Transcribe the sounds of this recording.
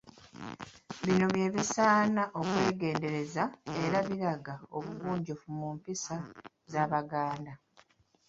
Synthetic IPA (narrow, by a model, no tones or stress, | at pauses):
βino̞βje̞ːβisaːnaʔo̞kwe̞ːɡe̞ːnde̞ɾe̞zae̞ɾaβiɾaɡao̞βuβuːɲɟofumumpisa | zaːβaɡaːnda